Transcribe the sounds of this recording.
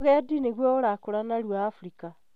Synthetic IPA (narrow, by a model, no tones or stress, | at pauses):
ɣɛadineɣwɔoɾakoɾanaɾwaːfuɾika